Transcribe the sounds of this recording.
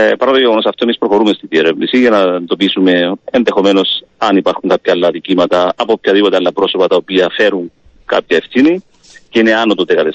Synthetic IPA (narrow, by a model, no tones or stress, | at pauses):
pɐɾɐt̪oʝeɣo̞no̞sɐft̪oe̞mispɾoxo̞ɾume̞st̪iðieɾevnisiʝɐnɐnd̪o̞pisume̞enðexo̞me̞no̞s | ɐnipɐɾxuŋkɐpçɐːlːɐðicimɐt̪ɐːpopçɐðipo̞t̪e̞ɐlːɐpɾo̞so̞pɐt̪ɐopiɐfe̞ɾuŋ | kɐ̰pçɐe̞fθini | ceine̞ɐnot̪od̪ekɐt̪es